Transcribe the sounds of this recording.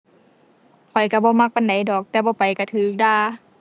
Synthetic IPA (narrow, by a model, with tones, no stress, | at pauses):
kʰɔ˨˩jka˧˩bɔː˧˦ma˧k̚pa˨˦nda˨˦jdɔː˨˩k̚t̪ɛː˧bɔː˧˦pa˨jka˧˩t̪ʰɯː˨˦k̚daː˧˩˨